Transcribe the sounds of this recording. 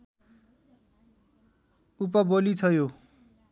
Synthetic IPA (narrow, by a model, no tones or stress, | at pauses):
up̬ʌbolit͡sʰʌjo